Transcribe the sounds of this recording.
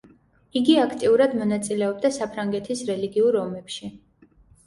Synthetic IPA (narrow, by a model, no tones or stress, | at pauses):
iɡiakʰt̪ʼiuɾad̪mɔnat̪sʼilɛɔb̚d̪asapʰɾaŋɡɛt̪ʰisɾɛliɡiuɾɔmɛpʃi